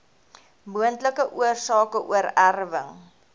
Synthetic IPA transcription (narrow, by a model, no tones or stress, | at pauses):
muəntləkəʔuərsɑːkəʔṵəɾærvəŋ